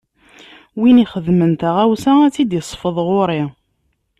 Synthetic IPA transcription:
winiχəðmənt̪aʁæwsææt͡sːid̪jəsˤfəðˤʁʊɾˤi

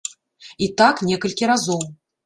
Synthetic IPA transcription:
it̪aknʲɛkɐlʲkʲiɾazɔw

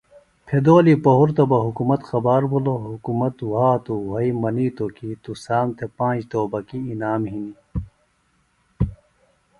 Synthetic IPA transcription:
pʰed̪oːlipɐɦuɾt̪ɐbɐɦukumɐt̪xɐbaːɾbuloɦukumɐt̪ɦaːt̪uwɐimɐnit̪okit̪usaːmt̪ʰepãːd͡ʑt̪oːbɐkiːnaːmɦini

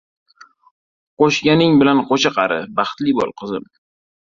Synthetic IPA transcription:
qoʃɡʲanɪŋbɪlanqoʃaqʰɑɾɪbɑχt̪lɪbɒ̰lˠqʰɨzɪm

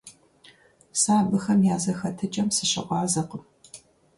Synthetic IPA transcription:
saːbɨxɐmjaːzɐxɐtʰɨt͡ʃʼɐmsɨɕɐ̰ʔʷɑːzɐqəm

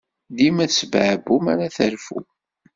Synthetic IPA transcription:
ðimæsbʕəbumæɾæθəɾfṵ

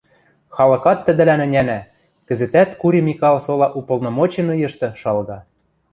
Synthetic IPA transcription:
xɑlɤ̆kɑt̪ːə̆d̪ɘ̆lænɘ̆nʲænæ | kɘ̆zɘ̆t̪æt̪kuɾʲimʲikɑlsolɑʔupɤ̆lˠnŏmot͡ɕĕnɤjɤ̆ʃt̪ɤ̆ʃɑlɣɑ

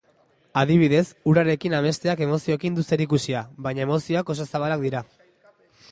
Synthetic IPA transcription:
aðiβ̞iðe̞suɾaɾe̞kinaβe̞st̪e̞ake̞mo̞sio̞kind̪use̞ɾikusiaβajɲaemo̞sioako̞s̬asaβalak̚d̪iɾa

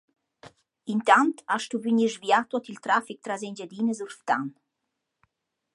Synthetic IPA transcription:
int̪ant̪aʃt̪uvyɲiʒvjat̪ɔt̪ilt̪ɾafik̚t̪ɾazɛnd͡ʒad̪inəzuɾft̪an

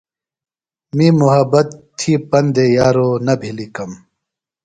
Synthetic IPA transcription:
miːmuɦɐbɐt̪ʰːiːpɐnd̪ejaːɾoːnɐbʱilikɐm

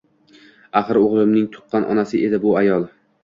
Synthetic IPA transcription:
aχɨɾoʁlˠɪmnɪŋt̪ʰʊ̥qʰːɑnʔɒ̰nasɪʔed̪ɪbʊajɒlˠ

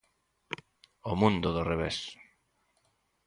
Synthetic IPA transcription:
omũnd̪ʊðʊreβes

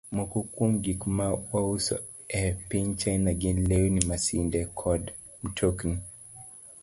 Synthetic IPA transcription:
mɔkukumɡikmawausɔ̰ | ɛpint͡ʃajnaɡinlɛunimasindɛkʰɔd | m̩tʰukni

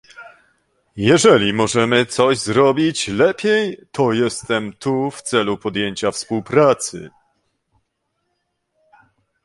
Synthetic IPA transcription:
jɛʐɛlʲimɔʐɛmɘt̪sɔʑzɾɔbʲit͡ɕlɛpʲjejt̪ʰɔjɛst̪ɛmt̪ʰuft̪sɛlupɔd̪jeɲt͡ɕafspuwpɾat̪sɘ̰

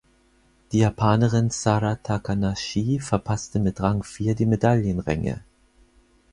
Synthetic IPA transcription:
d̥iːjaːpʰaːnəʁɪnsaʁatʰakʰanaʃiːfɛɐpʰastəmɪtʁaŋfiːɐdiːmedaljənʁɛŋə̰

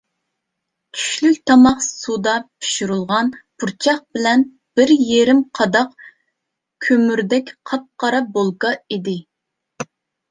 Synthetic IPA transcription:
t͡ʃʲʰy̥ʃlykʲt̪ʰɑmɑqsud̪ɑpʰi̥ʃuɾulˠʁɑnbuɾt͡ʃʰɑχ̚b̥ɪlɛn | b̥ɪɾjeɾɪmqʰɑd̪ɑq | kʲʰømyɾd̪ɛkʲqʰɑp̚qɑɾɑbolˠɡɑid̪ɪ

